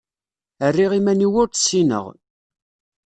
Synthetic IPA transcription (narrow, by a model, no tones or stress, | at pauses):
ərːiʁimæniwʊɾt̪sːinə̰ʁ